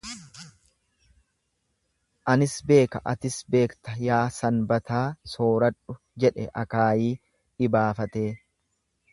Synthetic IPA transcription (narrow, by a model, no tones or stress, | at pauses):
s | ʔɐnɪsbe̞ːkɐʔɐt̪ɪsbe̞ːkt̪ɐjaːsɐnbɐt̪aːso̞ːɾɐᶑʊ | d͡ʒɛᶑɛ̰ʔɐkaːjiː | ᶑɪbaːfɐt̪e̞ː